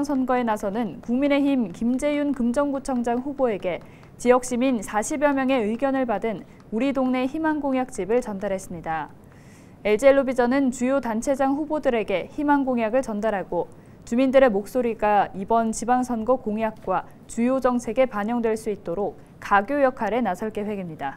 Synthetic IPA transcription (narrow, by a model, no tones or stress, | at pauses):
ŋsʰʌnɡʌe̞nasʰʌnɯnkuŋmine̞çimkimd͡ʑe̞junkɯmd͡ʑʌŋɡut͡ɕʰʌŋd͡ʑaŋɸuboe̞ɡe̞ | t͡ɕijʌk̚ɕ͈iminsʰaɕʰibjʌmjʌŋe̞ɯɡjʌnɯɭpadɯn | uɾidoŋne̞çimanɡoŋjak̚t͡ɕ͈ibɯɭt͡ɕʌndaɾɦe̞s͈ɯmɲida | e̞ɭd͡ʑeɭːobid͡ʑʌnɯnt͡ɕujotant͡ɕʰe̞d͡ʑaŋɸubodɯɾe̞ɡe̞çimɦanɡoŋjaɡɯɭt͡ɕʌndaɾɦaɡo | t͡ɕumindɯɾe̞mok̚s͈oɾiɡaibʌnt͡ɕibaŋsʰʌnɡokoŋjak̚k͈wa | t͡ɕujod͡ʑʌŋsʰe̞ɡe̞paɲʌŋdwe̞ɭs͈uit̚t͈oɾok̚ | kaɡjojʌkʰaɾe̞nasʰʌɭk͈e̞ɸwe̞ɡimɲida